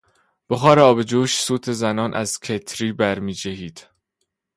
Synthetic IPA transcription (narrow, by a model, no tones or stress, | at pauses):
b̥oxɒːɾeɒːbe̞d͡ʒuːʃsuːt̪ʰe̞zænɒːnʔæzcʰet̪ʰɾiːbæɾmiːd͡ʒæɦiːd̪̥